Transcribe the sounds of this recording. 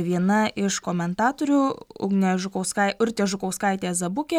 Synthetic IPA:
ʋʲiɛnɐʔɪʃkoːmʲɛnt̪ɑːt̪oːɾʲʊʊ̰ɡnʲeʒʊkɐʊskɐɪʊɾʲt̪ʲeːʒʊkɐʊskɐɪt̪ʲeːzɐbʊkʲeː

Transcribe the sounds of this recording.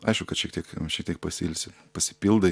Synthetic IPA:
ɐɪʃkʊkɐtʃʲiɛkt̪ʲiɛkʃʲiɛk̚t̪ʲiɛk̚pɐsʲɪlʲsʲɪ | pɐsʲɪ̥pʲɪlˠd̪ɐ

